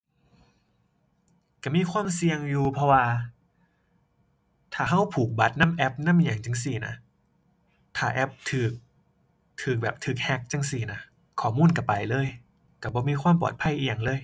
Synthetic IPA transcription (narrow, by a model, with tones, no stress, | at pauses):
ka˧˩miː˧˥˨kʰwaː˧˥˨msi˧əŋjuː˨˧pʰɔ˧waː˧ | t̪ʰaː˨˩ɦa˧˥˩wpʰuː˨˩k̚ba˨˦t̪̚na˧˥˨mʔɛ˧˥p̚na˧˥˨mʔi˧˨ja˨˩ŋt͡ɕa˧˩ŋsi˧˩na̰˧˥ | t̪ʰaː˨˩ʔɛ˧˥p̚t̪ʰɯː˨˩k̚ | t̪ʰɯː˨˩k̚bɛː˨˩p̚t̪ʰɯː˨˩k̚hɛ˧˥k̚t͡ɕa˧˩ŋsi˧˩na˧˩ | kʰɔː˨˩muː˧˥˨nka˧˩pa˨˩jlɤː˧˥˨j | ka˧˩bɔː˧˦miː˧˥˨kʰwaː˧˥˨mpɔ̰˨˩t̪̚pʰa˧˥˩ʔiː˧˨ja˨˩ŋlɤː˧˥˨j